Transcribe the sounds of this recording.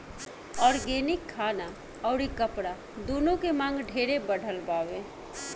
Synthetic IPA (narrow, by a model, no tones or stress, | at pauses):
ɔːɾɡeːnɪkʰːaːna | ɔːɾikəpɽa | d̪oːnõkemãːŋɡɖʱeːɾebəɽʱəlpaːʋe